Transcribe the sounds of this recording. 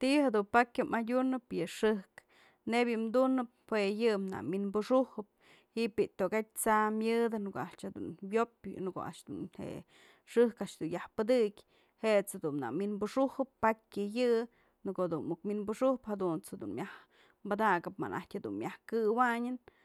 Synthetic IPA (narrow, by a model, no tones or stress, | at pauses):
t̪ihad̪unpakʲɨmadʲunɨpjɨʂɨhk | nebʲjɨmd̪unɨp̚wejɨmna̰ʔminbuʂuhɨp̚ | hiʔpiʔt̪okat̚ʲt͡samʲjɨd̪ɨnkoʔaʔt͡ʃhad̪ṵnwjopnɨko̰ʔa̰ʔʂd̪ṵnhḛʔ | ʂɨhkaʔt͡ʃd̪unjahpɨd̪ɨkʲ | heʔt͡shad̪una̰minbuʂuhɨpːakʲɨjɨ | nɨkod̪unukminbuʂuhphad̪unt͡shad̪ṵnmjah | mbad̪aɡɨpma̰nʔa̰tʲhad̪ṵnmʲjahkɨwaɲɨn